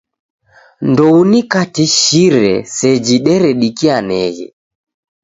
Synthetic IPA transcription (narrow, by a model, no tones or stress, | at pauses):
ndɔunikatiʃiɾɛ̰sɛd͡ʒiɗɛɾɛɗikianɛɣɛ̰